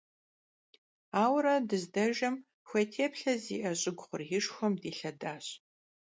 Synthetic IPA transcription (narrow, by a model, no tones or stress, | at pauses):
aːwrɐdɨzdɐʒɐm | xʷɐtʰeːpɬɐzḭːʔɐɕʼɪɡʷʊχʷʊrjɪʂxʷɔmdiːɬɐdaːɕ